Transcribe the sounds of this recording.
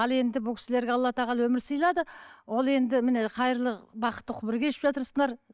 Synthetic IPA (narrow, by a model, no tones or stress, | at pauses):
ɑlˠe̞nd̪ɪbʊlˠkʲʰɪsɪle̞ɾɡʲeɑlˠːɑt̪ɑʁɑlˠwɵmɪɾsijlˠɑd̪əwo̞lˠe̞nd̪ɪmɪneqʰɑjɾlˠəbɑqə̥t̪ːəqʰʊbɪɾɡʲeʃɪpʒɑt̪əɾsəɴɑɾ